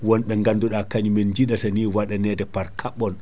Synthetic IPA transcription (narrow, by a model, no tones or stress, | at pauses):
wɔnɓɛŋɡanduɗakaɲumɛnd͡ʒiɗataniwaɗanɛːdɛpaɾkʰaɓːɔn